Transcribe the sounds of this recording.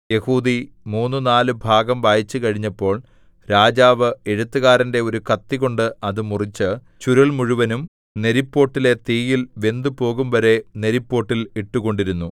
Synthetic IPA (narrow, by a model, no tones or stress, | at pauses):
je̞huːd̪imuːnːunaːlɨbʱaːɡɐmʋaːjit͡ɕːɨkɐɻiɲːɐpːo̞ːɭ | ɾaːd͡ʑaːʋɨe̞ɻut̪ːɐɣaːɾɐnde̞o̞ɾukɐt̪ːiɣo̞ɳɖɨɐðɨmurit͡ɕːɨ | t͡ɕuɾɐɭmuɻuʋɐnum | ne̞ɾipːo̞ːʈːile̞t̪iːjilʋe̞nd̪ɨpo̞ːɣumʋɐɾe̞ne̞ɾipːo̞ːʈːiliʈːuɣo̞ɳɖiɾunːu